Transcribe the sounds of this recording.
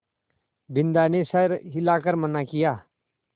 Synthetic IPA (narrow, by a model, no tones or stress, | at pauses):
bɪnd̪anesəɾɦilaːkəɾmənakɪjaː